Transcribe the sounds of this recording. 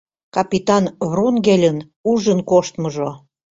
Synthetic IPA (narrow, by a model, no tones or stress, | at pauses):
kɑpit̪ɑnβronɡelʲən | uʒənkoʃt̪məʒo